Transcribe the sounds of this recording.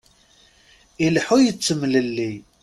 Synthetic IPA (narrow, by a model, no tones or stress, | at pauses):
ilħujət͡sːəmːləlːi